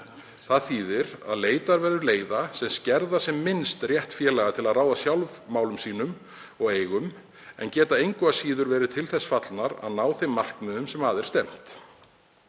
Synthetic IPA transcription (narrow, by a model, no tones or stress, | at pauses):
θaðθiːðɪɾa̰ðleːjt̪aɾvɛɾðʏleːjðasɛmscɛɾðasɛmːɪnst̪rjɛht̪fjɛːlaɣat̪ʰɪlaðraːwðasjawlvmaːwlʏmsiːnʏm | ɔɣeːjɣʏm | ɛ̰ncɛːt̪aejŋkʏasiːðʏɾvɛːɾɪt̪ʰɪlθɛsːfat̪lnaɾa̰ðnaːwθejmːar̥kmɛːðʏmsɛmaːðɛɾ̥st̪ɛm̥t̪